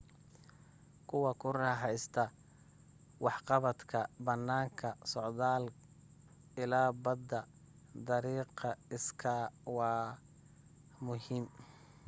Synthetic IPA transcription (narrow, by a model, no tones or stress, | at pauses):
kʰʊwɐkʰʊrɑːħɑjst̪ʰɐ | wɑħqɑβɐd̪kʰɐbɐnːaːŋkʰɐsɔʕðaːl | ɪlaːbɐd̪ɐ | d̪ɐɾiːqɑɪskʰɐwɑː | mʊɦiːm